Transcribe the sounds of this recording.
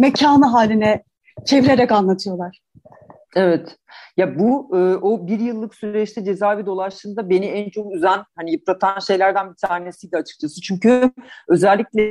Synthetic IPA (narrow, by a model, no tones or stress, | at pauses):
mecʰaːnɯɦaːlʲinɛ | t͡ʃʰe̞viɾe̞ɾɛkanlˠat̪ʰɯjo̞lˠaɾ̥ | evɛt̪ | jabuɯːʔobiɾjɯlˠːɯksyɾɾɛt͡ʃt̪ʰɛd͡ʒe̞zaːvid̪o̞lˠaʃt̪ɯnd̪abe̞niænt͡ʃʰo̞kyzænhanijɯp̚lˠat̪ʰanʃe̞jlʲæɾd̪ænbit̪ʰaːne̞sijd̪ɛat͡ʃʰɯ̥k̚t͡ʃʰasɯt͡ʃʰyɲcyø̞zælʲːicʲlʲɛ